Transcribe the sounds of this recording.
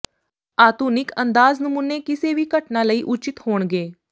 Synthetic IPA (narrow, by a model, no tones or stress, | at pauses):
aːt̪unikənd̪aːd͡znəmuːnekiseʋiːkəʈnaləiːʔut͡ʃit̪hoːɳɡeː